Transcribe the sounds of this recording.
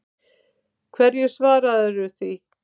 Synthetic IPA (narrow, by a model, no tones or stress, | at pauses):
kʰvɛɾjɛsvaːɾaðɛɾʏθi